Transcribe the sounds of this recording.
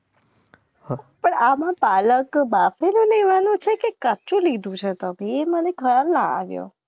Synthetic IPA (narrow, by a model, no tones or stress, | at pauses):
pəɳamãpaləkbafelũleʋanũt͡ʃʰekekət͡ʃũlid̪ʱũt͡ʃʰet̪əbʱieməneɡʱəɾaɾnãa̰ʋjo̰